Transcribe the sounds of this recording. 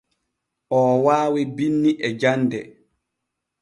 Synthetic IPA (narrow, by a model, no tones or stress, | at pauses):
ʔɔːwaːwibinːiʔɛd͡ʒandɛ